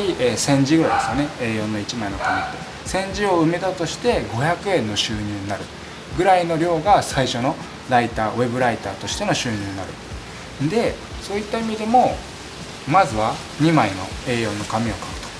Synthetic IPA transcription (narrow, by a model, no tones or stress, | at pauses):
iʔeːsẽ̞ɲd͡ʑiɡɯ̟ɾajd̪esɨjone̞e̞ːjõ̞nːo̞it͡ɕimaino̞kamʲit̪ːe̞ | sẽ̞ɲ̟d͡ʑio̞ɯ̟me̞t̪at̪o̞ɕi̥t̪e̞ɡo̞çakɯ̟ẽ̞nːo̞ɕɨːɲ̟ɨːɲ̟inaɾɯ̟ | ɡɯ̟ɾaino̞ɾʲo̞ːɡasaiɕo̞no̞ | ɾait̪aːβe̞bɯ̟ɾait̪a̰ːt̪o̞ɕi̥t̪e̞no̞ɕɨːɲ̟ɨːnaɾɯ̟̰ | d̪e̞ | so̞ːit̪ːaimʲid̪e̞mo̞ | mazɨβa | ɲ̟imaino̞̰e̞ːjõ̞nːo̞kamʲio̞kaɯ̟t̪o̥